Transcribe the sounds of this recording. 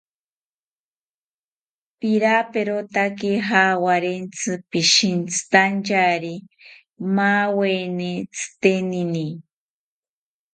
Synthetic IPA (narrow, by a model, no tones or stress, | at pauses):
piɾapeɾot̪akiɦawaɾent͡sʰɨpiʃint͡sɨ̥t̪ant͡ʃaɾi | mawenet͡sʰɨ̥t̪enini